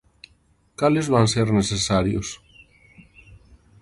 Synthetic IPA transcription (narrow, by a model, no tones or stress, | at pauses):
kalezβanseɾnesesaɾjo̰s